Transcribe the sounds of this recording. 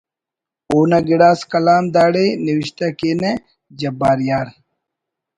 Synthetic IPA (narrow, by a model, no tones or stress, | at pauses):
uːnɐɡiɽaːskɐlaːmd̪aːɽeniwiɕt̪ɐkeːne | d͡ʑɐbːaːɾjaːɾ